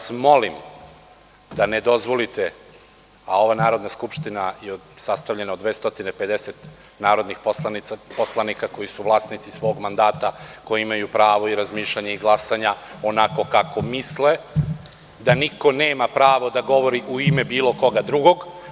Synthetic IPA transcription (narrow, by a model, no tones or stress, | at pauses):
asmo̞lim | d̪aned̪o̞zʋo̞lit̪e | ao̞ʋanaːɾo̞d̪naskupʃt̪inajeo | sast̪aʋʎe̞nao̞d̪ʋeːst̪o̞t̪inepe̞d̪eset̪ | naːɾo̞d̪nixpoanpo̞slˠanikako̞jisuʋlˠasnit̪sisʋo̞ːɡmand̪aːt̪ako̞jiimajupɾaːʋo̞iɾazmiːʃʎaɲeiɡlˠasaɲao̞nako̞kako̞misle | d̪aniko̞neːmapɾaːʋo̞d̪aɡo̞ʋo̞ɾiʔuimebiːlˠo̞ko̞ɡad̪ɾuɡo̞ɡ